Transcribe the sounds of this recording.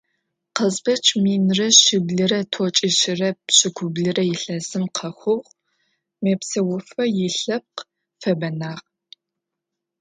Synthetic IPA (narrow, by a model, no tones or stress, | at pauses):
qəzbɐt͡ʃʰmiːnrɐɕɪbɮɨɾɐtʰot͡ʃʼɪʃɪrɐɕɪɡʷʰʊbɮɨrɐjɪɬɐzɨmqʰɐxʷʊʁ | meːpsɐwʊfɐjɪɬɐp̚q | fɐbɐnaːʁ